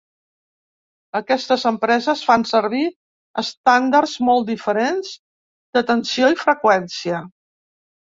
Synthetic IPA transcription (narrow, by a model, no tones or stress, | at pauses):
əkɛst̪əzəmpɾɛzəsfansəɾβi | əst̪and̪arzmɔlˠt̪̚d̪ifəɾenz | d̪ət̪ənsioifɾəkwɛnsiə